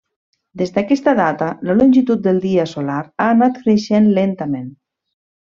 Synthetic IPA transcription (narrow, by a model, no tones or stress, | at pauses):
d̪ezd̪əkɛst̪əðat̪ələlonʲʒit̪ut̪̚d̪əlˠd̪iəsolaɾaːnat̪kɾeʃenlent̪əmen